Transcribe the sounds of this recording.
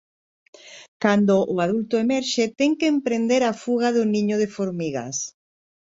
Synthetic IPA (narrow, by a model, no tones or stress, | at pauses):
kand̪oʔʊaðult̪oemɛɾʃet̪ɛŋkeːmpɾend̪eɾafuɣ̞aðʊnĩɲʊðefoɾmiɣa̰s